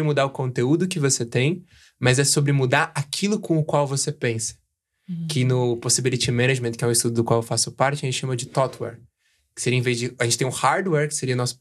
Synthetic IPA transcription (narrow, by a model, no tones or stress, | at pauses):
ɾɪmud̪aɾʊkõnt̪eud̪ʊkɪvoset̪ẽj̃ | mɐzɛsobɾɪmud̪aɾakʰilʊkõʊkwawvosepẽsɐ̥ | kʰɪnʊposibilit͡ʃimẽnaʒmẽnt̪kɪɛʊ̃ɪst̪ud̪ʊd̪ʊkwawewfasʊ̥paɾt͡ʃɪɐʒẽt̪t͡ʃɪʃɐ̃mɐd͡ʒɪt̪ɔt̪wɛ̰ɾ | kɪ̥seɾiɐẽvezd͡ʒɪaʒẽt͡ʃɪt̪ẽʊhaɾd̪wɛɾkɪ̥seɾiɐʊnɔsʊ̥